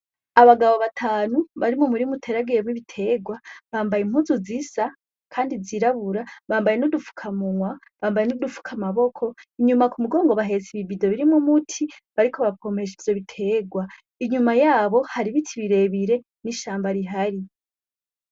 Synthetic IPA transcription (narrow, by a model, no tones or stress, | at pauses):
aβaɡaβo̞βatʰaːnuβaɾimumuɾimutʰeɾaɡeemwiβitʰe̞ɡwaβaːmbajim̥huzuzisa | kʰaːndiziɾaβuɾaβaːmbaje̞nodufu̥kʰamuŋwa | βaːmbaje̞nodufu̥kʰamaβo̞kʰo̞iɲumakumuɡo̞ːŋɡo̞βaɦe̞ziβibido̞βiɾimumutʰiβaɾikʰo̞βakʰo̞me̞ʃivjo̞βitʰe̞ɡwa | iɲumajaːβo̞haɾiβitʰiβiɾe̞βiɾe̞ | niʃaːmbaɾiɦaɾi